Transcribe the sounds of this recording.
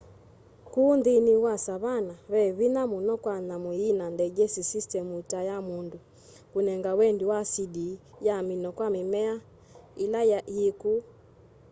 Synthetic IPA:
kundiniwasaβanaβɛβinamunɔkwanamuinandɛɡɛsisistɛmutajamundu | kunɛŋɡawɛndiwasidi | jaminɔkwamimɛa | ilajjiku

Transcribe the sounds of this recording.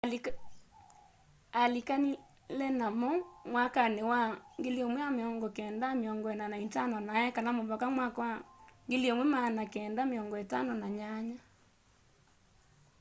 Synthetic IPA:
alikani | lɛnamɔmwakanewaŋɡeljomwɛameɔŋɡɔkɛːndameɔŋɡɔɛnanaitanɔnaɛkanamoβɔkamwakwaŋɡeliomwɛmanakɛːndameɔŋɡɔetanɔnaɲaɲa

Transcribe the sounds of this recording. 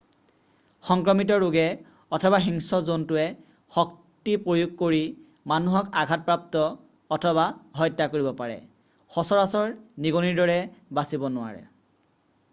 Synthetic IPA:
xɔŋkɹɔmit̬ɔɹʊɡɛ | ɔtʰɔbaxiŋsɔzontʊɛ | xɔk̚ | tipɹojuɡ̚koɹi | manuɦɔkaɡʱat̚pɹap̚tɔː | tʰɔβaɦɔjtːakoɹibɔpaɹɛ̰ | xɔsɔɹasɔɹniɡɔniɹdɔɹɛbasibɔnʊwa̰ɹɛ̰

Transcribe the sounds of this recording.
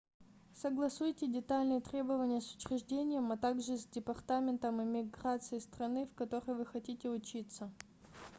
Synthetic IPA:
səɡlˠɐsujtʲɪdʲɪt̪alʲnɨjət̪ɾʲe̞bəvənʲɪjəsʊ̥t͡ɕɾʲɪʐdʲenʲɪjəmɐt̪aɡʐɨzʲdʲɪpɐrt̪amʲɪnt̪əmɨmʲɪɡrat̪sɨjɪst̪ɾɐnɨfkɐt̪o̞ɾəjvɨxɐtʲitʲɪʊt͡ɕit̪sə

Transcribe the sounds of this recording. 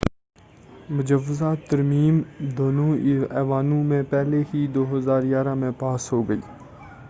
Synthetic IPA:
mʊd͡ʒəʋːɪzaːt̪ːɐɾmiːmd̪oːnõɛːʋaːnũmẽpɛɦleɦid̪oːɦɐzaːɾjaːɾamẽpaːsɦoːɡɐḭː

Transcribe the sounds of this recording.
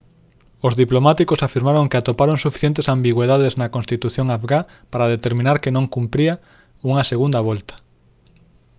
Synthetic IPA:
ozðiplomat̪ikosafiɾmaɾõŋkeat̪opaɾoŋsufi̥θjent̪esambiɣweðaðeznɐkõnst̪it̪uθjoŋafɣa | paɾað̞et̪eɾmĩnaɾkenõŋkumpɾiɐ | uŋɐseɣund̪ɐβ̞ɔlt̪ɐ̥

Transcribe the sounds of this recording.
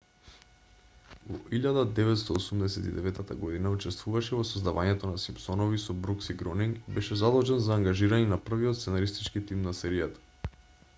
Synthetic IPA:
vɔ̰ʔiʎad̪ad̪ɛvɛt̪st̪ɔːsumd̪ɛsɛt̪id̪ɛvɛt̪ːat̪a̰ɡɔd̪inaut͡ʃɛst̪vuvaʃɛvɔsozd̪avaɲɛt̪ɔnasimpsɔnɔvisɔbɾuksiɡɾɔniŋɡbɛʃɛzad̪ɔʒɛnzaːŋɡaʒiɾaɲɛnapr̩viɔt̪sɛnaɾist̪it͡ʃkit̪imnasɛɾijat̪ḁ

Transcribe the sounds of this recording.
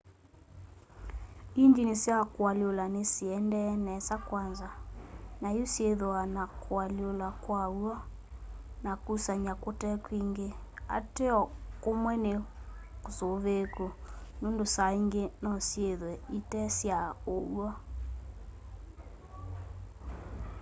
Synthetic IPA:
iɲd͡ʒinesjakwalolanesiɛndɛnɛsakwanzanajosjeðoanakoaliolakwauɔ | nakusaɲakotɛkwiŋɡea̰teɔkomwɛnekosoðekonondosaiŋɡenɔsjeðwɛitɛsjaoa

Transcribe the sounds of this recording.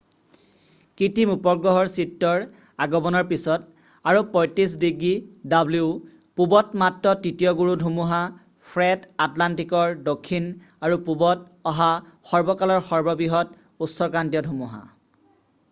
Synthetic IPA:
kitimupɔɡɹɔɦɔɹsitːɔɹ | aɡɔbɔnɔɹpisɔt | aɹupɔjtisdiɡidabluʊ | pubɔtmatɹɔtitijɔɡuɹudʱumuɦa | pʰɹɛdatlantikɔɹdokʰːin | aɹupubɔt̚ | ɔɦaxɔɹbɔkalɔɹxɔɹbɔbiɦɔt | utsɔɹkɹantijɔdʱumuɦa̰

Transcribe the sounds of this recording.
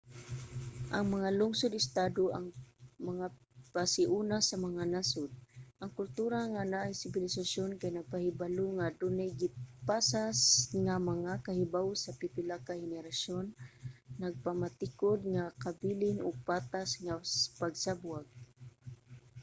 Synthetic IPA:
ʔɐŋmɐŋalʊŋsʊd̪ɪst̪aːd̪oʔaŋmaŋa | pasɪʔunasamɐŋanasʊd̪̚ʔaŋkʊlt̪uːɾaŋanaʔajsɪbɪlɪsaʃjonkajnaɡ̚pahɪbaluŋad̪ʊnɛɡɪpasasŋamɐŋakahɪbawsapɪpɪlakahɪnɛɾaʃonː | aɡ̚pamat̪ɪkod̪̚ŋakabiːlɪnʊɡ̚paːt̪asŋaspaɡsabwaɡ̚

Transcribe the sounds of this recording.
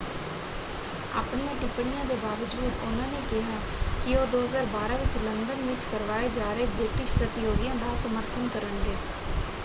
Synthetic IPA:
a̰ːpɳjãːʈɪpɽɪjãːd̪eːbaːʋəd͡ʒuːd̪ʊnãːneːkɪɦaː | kɪoːd̪oːɦəzaːɾbaːɾãːʋɪt͡ʃlənd̪ənʋɪt͡ʃkəɾʋaːeːd͡ʒaːɾeːbɾɪʈɪʃpɾət̪ɪjoːɡɪjãːd̪aːsəməɾt̪ʰənkəɾəɳɡeː

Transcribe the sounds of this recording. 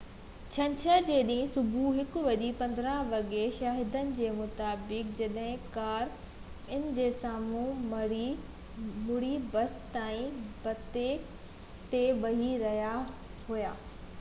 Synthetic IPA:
t͡ɕʰɐ̃ɲt͡ɕʰəd͡ʑeːɗĩɦɪ̃sʊbʱuɦɪkʊʋɐʄipɐ̃nd̪ɾəʋɐɠeʃaːɦɪd̪ənɪ̆d͡ʑeːmʊt̪aːbɪk̚d͡ʑɐɗɦɪ̃kaːɾ | ɪnɪ̆d͡ʑeːsaːmũ | mʊɽibɐst̪aːĩbɐt̪e | t̪eɓɐɦiɾɐɦija | ɦuja̰ː

